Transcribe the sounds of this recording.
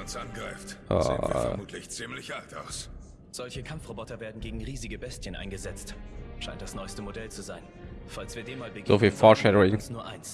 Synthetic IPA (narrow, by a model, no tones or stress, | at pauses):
ʊnsʔa̰nɡʁa̰ɪfta̰fɐmuːtʰlɪçt͡siːmlɪçʔalta̰ʊs | z̥ɔlçəkʰamfʁ̥obɔtɐveːɐdn̩ɡeːɡŋ̩ʁiːzɪɡəbɛstçənʔa̰ɪnɡəzɛt͡stʃaɪnt̚d̥asnɔʏstəmodɛlt͡suzaɪn | falsv̥iːɐdeːmaːlbəɡzofiːfɔʃɛɾəʁɪŋnuːɐʔa̰ɪns